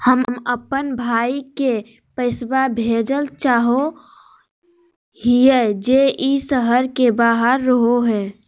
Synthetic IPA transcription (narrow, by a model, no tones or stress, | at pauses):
həmməpənbʱaːike | pəɪsbabʱeːd͡ʒəlt͡ʃaːɦo | hied͡ʒeʔisəɦəɾkebaːɦəɾːəɦoɦɛː